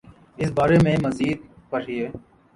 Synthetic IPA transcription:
ɪsbaːɾemẽmɐziːd̪̚ | pɐɾieː

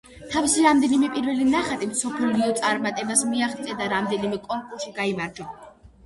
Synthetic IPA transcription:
t̪ʰavisiɾamd̪ɛnimɛpʼiɾvɛlinaχat̪ʼimsɔpʰliɔt̪sʼaɾmat̪ʼɛbasmiaχt̪sʼɛd̪aɾamd̪ɛnimɛkʼɔɾpʼusʃiɡaimaɾd͡ʒɔ

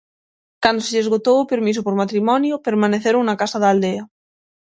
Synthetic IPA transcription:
kand̪oseʎezɣot̪owʊpeɾmis̬opoɾmat̪ɾimɔnjʊpeɾmaneθeɾoŋnakasaðald̪eɐ

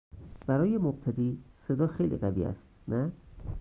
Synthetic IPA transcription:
b̥æɾɒːjemob̚t̪ʰæd̪iːse̞d̪ɒːxejlḭːɣævḭːæ̰st̪næ

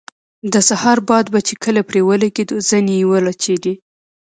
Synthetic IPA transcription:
d̪əsahɑɾbɑd̪bat͡ʃekʰəlapɾewəlaɡid̪uz̥ənijiwəlat͡ʃed̪i

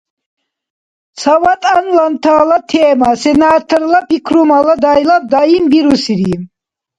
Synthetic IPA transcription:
t͡sʰawat̪ʼanlant̪ʰaːlat̪ʰɛːmasɛnaːt̪ʰɾlapikʰɾumalad̪ajlab̚d̪aimbiɾusiɾim

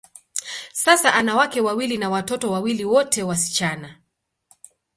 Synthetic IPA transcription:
sasaʔanawakɛwawilinawatɔtɔwawiliwɔtɛwasi̥t͡ʃana

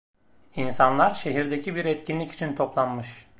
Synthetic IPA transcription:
insanlˠaɾʃe̞ɦiɾd̪ecibiɾɛt̪cʰʲinlʲici̥t͡ʃʰint̪ʰo̞plˠanmɯʃ

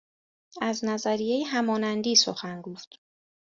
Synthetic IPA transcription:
æznæzæɾijejeɦæmɒːnænd̪iːso̰xænɡoːft̪

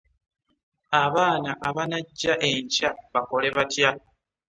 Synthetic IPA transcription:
aβaːnaʔaβanaɟːaʔe̞ɲcaβako̞le̞βatja

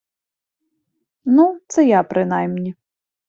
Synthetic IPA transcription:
nut̪sɛjapɾɨnajmnʲi

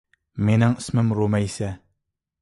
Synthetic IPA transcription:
menaŋsməmɾomajsa

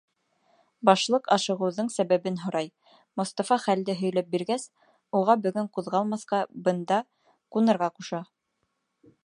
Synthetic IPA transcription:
bɑʃlˠɤqɑʃɤ̆ʁɤ̆wðɤɴsæβæβɘnɦŏɾɑj | mŏst̪ɑfɑχæld̪ɘɦɵ̆jlæp̚biɾɡæs | uʁɑbɵ̆ɡɵɴquðʁɑlˠmɑθqɑbɤ̆nd̪ɑ | qunɤ̆ɾʁɑquʃɑ

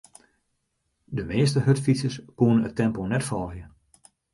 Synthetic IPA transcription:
dəmɪːəstəɦøtfisəskuənənətʰːɛmponɛtfɔːlˠhjə

